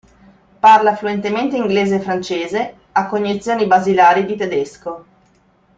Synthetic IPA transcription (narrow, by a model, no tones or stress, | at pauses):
parlafluent̪ement̪eiŋɡleːzeːfɾant͡ʃeːze | akːoɲːit̪sːjoːnibazilaːɾid̪it̪ed̪esko